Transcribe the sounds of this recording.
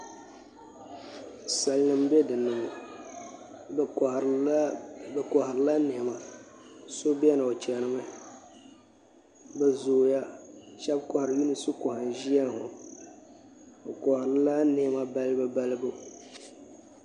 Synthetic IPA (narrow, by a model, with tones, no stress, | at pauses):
sa˨lnɨ˨m˦bɛ˦dɨ˨nɨ˨mo˨˦ | bkɔ˨hɪ˨ɾɨ˨˦la˦ne˨ma˨ | so˦bi˦ɛ˦nɨ˨o˨t͡ʃɛ˨nɨ˨ma˦˨ | bɛ˦zo˨ja˦ʃɛ˦b̚kɔ˨hɾɨ˨mi˦nɨ˨su˦kɔ˨ha˨n˨ʒi˦a˦n˨hʊ̰˨ | o˨kɔ˨hɾɨ˦la˦ne˦˨˦ma˦ba˦lbɨ˦ba˦lɨ˦bo˦